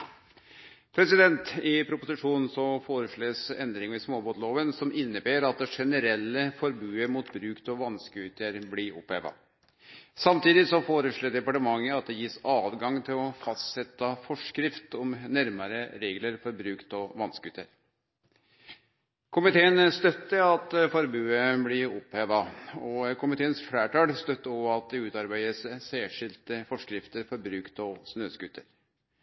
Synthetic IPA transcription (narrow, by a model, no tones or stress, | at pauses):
pʰɾɛsɪd̪ɛnt̪ɪpʰɾʊpʊsɪʂuːnn̩sɔfoːɾəʂɭeːsɛnd̪ɾɪŋɪsmoːboːt̪loːʋənsɔmʔɪnːəbeːɾɑt̪̚d̪ɛʂɛnəɾɛlːəfɔɾbʉːəɾmuːt̪bɾʉːkt̪ɔʋɑnskəʉːt̪əɾblɪɾɔ̰pːḛːʋɑ̰ | sɑmt̪iːd̪ɪsɔfoːɾəʂɭoːɖ̪ɛpɑʈəmɑŋːəɑt̪̚d̪ɛjiːsɑːʋɡɑŋt̪ʰɪlɔfɑst̪sɛt̪ːɑfɔʂkɾɪft̪ɔmnæɾməɾəɾeːɡləɾfɔɾbɾʉːkt̪ɔʋɑnskʉt̪ːə̰ɾ | kʰʊmɪt̪ʰeːənst̪œt̪ːəɑt̪fɔɾbʉːəblɪʊpheːʋɑɔkʰʊmɪt̪ʰeːənsflæːʈɑːlst̪œt̪ːəɔɑt̪̚d̪ɛʉːt̪ɑɾbæɪd̪əssæːʂɪlt̪əfɔʂkɾɪft̪əɾfɔɾbɾʉːkt̪ɔsnøːskʉt̪ʰːəɾ